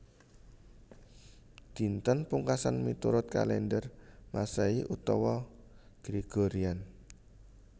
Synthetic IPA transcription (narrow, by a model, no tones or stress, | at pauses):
d̪̥i̤nt̪ənpuŋkasanmit̪uɾʊt̪̚ka̰lɛndərmasaiʔut̪ɔwɔɡ̥ɾeɡ̥oɾian